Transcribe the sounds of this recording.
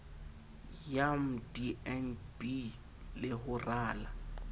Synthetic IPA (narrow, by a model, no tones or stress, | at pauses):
jam̩diɛnbi | lɪhʊraːla